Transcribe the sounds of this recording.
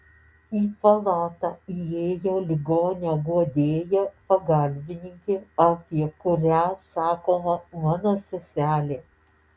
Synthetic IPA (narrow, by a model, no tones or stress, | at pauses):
iːpɐlˠɑːt̪ɑieːjoːlʲɪɡoːnʲoːɡuɔd̪ʲeːjɛpɐɡɐˑlʲbʲɪnʲɪŋʲkʲeːɐp̪ʲiɛkʊɾʲæsɑːkoːmɐmɑːnoːsʲɛsʲæːlʲeː